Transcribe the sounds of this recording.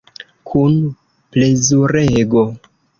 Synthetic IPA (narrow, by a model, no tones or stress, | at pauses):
kʰun | ple̞zuɾeɡo̞